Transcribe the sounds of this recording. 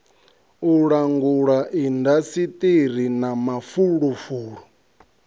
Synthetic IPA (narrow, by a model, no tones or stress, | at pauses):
uɺaŋɡuɺaʔindasitʼiɾ̤inamafuɺufuːɺɔ